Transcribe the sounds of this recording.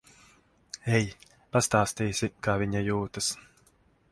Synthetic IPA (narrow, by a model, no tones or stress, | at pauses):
ɛj | past̪aːst̪iːsikaːviɲajuːt̪ɐs